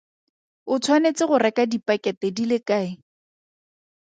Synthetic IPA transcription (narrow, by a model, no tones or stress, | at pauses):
ʊt͡sʰwanet͡sɪχʊrɛkadipʼakɛtɛdilɪkaːɪ